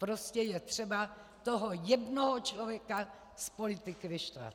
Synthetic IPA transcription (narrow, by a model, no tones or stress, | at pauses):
pɾoscɛjɛt̪r̝̥ɛba | t̪oɦojɛdnoɦot͡ʃlovjɛka | spolɪt̪ɪkɪvɪʃt̪va̰t̪